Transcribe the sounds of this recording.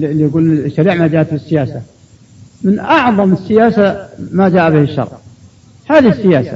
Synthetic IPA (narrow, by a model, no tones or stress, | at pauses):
lːijɡuːlsːaɾiːʕmad͡ʒaːʔat̪bɪsːɪjaːsa | mɪnʔɑʕðˤɑməsːɪjaːsamad͡ʒaːʔabɪhɪʃːɑ̰ɾˤʕ | haːðisːɪjaːsa̰